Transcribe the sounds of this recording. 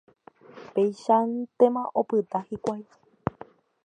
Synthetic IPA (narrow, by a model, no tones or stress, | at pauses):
pejʃant̪e̞mãʔopɨt̪ahikʷaj